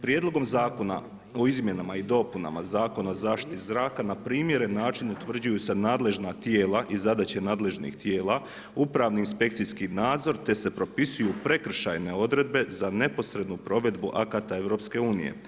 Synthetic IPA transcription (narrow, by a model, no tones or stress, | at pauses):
pɾjed̪lˠo̞ɡo̞mzaːkona̰ | o̞izmje̞namaid̪o̞puna̰ma̰zaːko̞nazaːʃt̪i̥t̪izɾaːkanapɾiːmje̞ɾenːaːt͡ʃinut̪ʋr̩d͡ʑujuse̞naːd̪le̞ʒnat̪je̞ːlˠaʔizad̪at͡ɕenaːd̪le̞ʒnḭxt̪jeːlˠa | upɾaʋniːnspe̞k̚t̪siskinaːd̪zo̞ɾt̪e̞se̞pɾo̞pisujupɾe̞kr̩ʃa̰jne̞o̞d̪ɾe̞d̪̚be̞zane̞po̞sɾe̞d̪nupɾo̞ʋe̞d̪buʔakat̪ae̞ʋɾo̞pske̞uːnḭjḛ